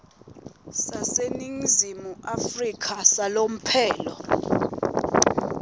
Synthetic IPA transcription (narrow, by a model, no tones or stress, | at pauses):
saseniŋzimuʔafrikʰasalom̩pʰɛːlɔ